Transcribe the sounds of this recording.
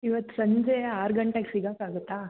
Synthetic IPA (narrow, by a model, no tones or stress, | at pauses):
iʋɐt̪ːu̥sɐɲd͡ʒeaːɾɡɐɳʈeksiɡaːkaːɡut̪ːaː